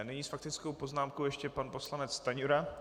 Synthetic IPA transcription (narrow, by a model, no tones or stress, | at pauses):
nɛɲiːsfakt̪ɪt͡skowpo̞znaːmkowjɛʃcɛpanpo̞slanɛt͡st̪aɲuɾa